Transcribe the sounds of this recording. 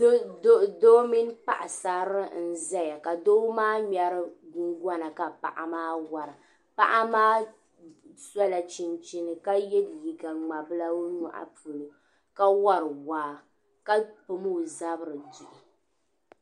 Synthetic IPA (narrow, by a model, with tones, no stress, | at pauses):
o˦do˦mi˦npa̰˨ʔa˨sa˨ɾɨ˦n̩˨za˦ja˨ka˨doː˦maː˦ɲɛ˨ɾɨ˦ɡʊ˦ŋɡɔ˦na˨ka˨pa̰˨ʔa̰˨maː˦wa˨ɾɨ˨ | pa̰˦ʔa˦maː˦ | sa˦la˨t͡ʃi˨nt͡ʃi˦nɨ˨ka˦jɛ˦dji˨ɡa˨ŋ͡ma˨bɨ˦la˦o˦nṵ˦ʔa̰˦pu˨lo˨ | ka˦wa˦ɾɨ˨waː˨ | ka˦po˨mu˦˨za˦bɨ˦ɾɨ˨di˨ʔi˨